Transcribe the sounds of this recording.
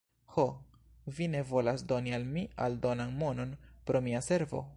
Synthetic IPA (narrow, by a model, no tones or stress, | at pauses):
ho | vine̞vo̞lasdo̞nialmia̰ldo̞nanmo̞no̞npɾo̞miase̞ɾvo̞̰